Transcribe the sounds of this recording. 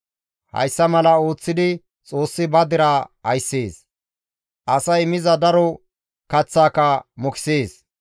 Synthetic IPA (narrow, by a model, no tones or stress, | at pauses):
hɐ̰jsːɐmɐlɐo̞ːt͡sːɪd̪ɪ | t͡sʼo̞ːsːɪbɐd̪ɪɾɐɐjsːeːs | ʔɐsɐjmɪzɐd̪ɐɾɔ | kɐt͡sːaːkɐmɔkɪ̥seːs